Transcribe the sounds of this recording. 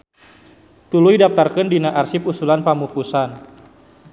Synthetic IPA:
t̪ulujdap̚t̪arkəndinaʔarsipusulanpamupusan

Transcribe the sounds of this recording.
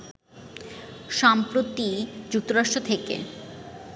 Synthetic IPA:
ʃampɾot̪id͡ʑuk̚t̪oɾaʃʈɾot̪ʰekḛ

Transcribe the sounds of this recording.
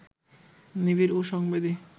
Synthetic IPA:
nibiɾuʃɔŋbed̪i

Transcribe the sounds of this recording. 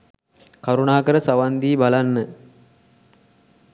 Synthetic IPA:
kaɾunaːkəɾəsaʋand̪iːbalanːə

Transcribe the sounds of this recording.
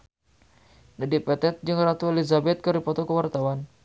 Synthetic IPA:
nadipɛt̪ɛt̪̚d͡ʒɨŋrat̪uelizabɛt̪̚kəɾipɔt̪ɔkəwart̪awan

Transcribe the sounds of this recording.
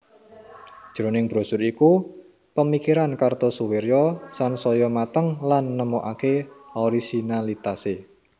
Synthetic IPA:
d̥ʒ̥ɾonɪŋb̥ɾosʊɾiku | pəmikiɾankart̪ɔsuweɾjɔsansɔjɔmat̪əŋlanːəmoʔakeɔɾisinalit̪ase

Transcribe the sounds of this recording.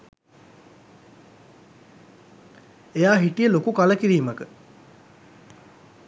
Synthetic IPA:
ejaːɦiʈijəlokukaləkiɾiːməkə

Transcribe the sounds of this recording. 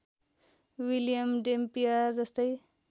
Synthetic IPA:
wiljʌmɖempiard͡zʌst̪ʌj

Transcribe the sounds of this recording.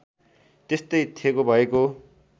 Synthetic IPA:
t̪est̪ʌjt̪ʰiekobʱʌeko

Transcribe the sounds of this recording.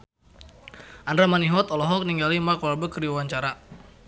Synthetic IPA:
ʔandɾamaniɦɔt̪ɔlɔɦɔk̚niŋɡalimakɔlabəkəɾiwawaɲt͡ʃaɾa

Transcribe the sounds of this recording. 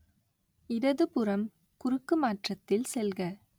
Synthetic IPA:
ɪɾɐðɯpʊɾɐm | kʊɾɯkːɯmaːʈrɐt̪ːɪlsɛlɣɐ

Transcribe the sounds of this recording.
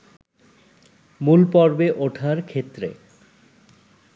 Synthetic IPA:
mulpɔɾbeʔoʈʰaɾkʰet̪ːɾḛ

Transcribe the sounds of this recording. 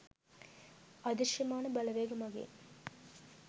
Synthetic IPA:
ɐd̪ɪʂjɐmaːnɐbɐlɐʋeːɡɐmɐɡḛː

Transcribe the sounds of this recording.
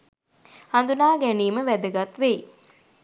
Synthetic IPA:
and̪unaːɡæniːməʋæd̪əɡat̪ʋej

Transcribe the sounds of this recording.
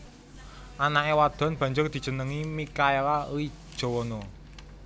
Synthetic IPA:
ʔanaʔewad̪̥ɔ̤nb̥ä̤ɲd͡ʒʊrd̪̥i̤̥d͡ʒ̥ə̤nəŋimikaelaui̥ʒ̥o̤wɔnɔ

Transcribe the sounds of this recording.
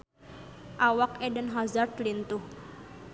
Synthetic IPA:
ʔawakɛdənɦazard̪lint̪uh

